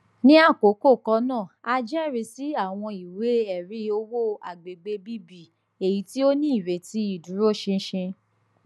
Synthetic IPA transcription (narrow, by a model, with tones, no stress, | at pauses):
nĩ˦a˦˨ko˨˦ko˦˨kɔ˧˦nãː˦˨a˧d͡ʒɛ˦˨ɾi˧si˨˦a˦˨w̃ɔ̃˧i˨we˨˦ɛ˨ɾi˨˦o˦wo˦a̰˨ɡ͡be˨ɡ͡be˧˦bi˦bi˦˨ | e˨ji˨˦ti˦o˦nĩ˦i˦˨ɾe˨ti˧˦i˦˨du˨˦ɾo˦˨ʃĩ˧˦ʃĩ˧